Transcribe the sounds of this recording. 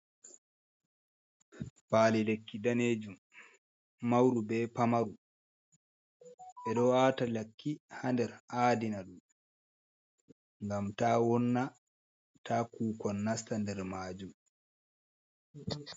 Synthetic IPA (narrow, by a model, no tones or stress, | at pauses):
paːlilekːidaneːd͡ʒumː | awɾubɛːpamaɾu | ɓɛɗɔwaːtalakːihandɛɾʔaːdinaɗum | ŋɡamtaːwɔnːa | tʰaːkuːkɔnːastandɛɾmaːd͡ʒum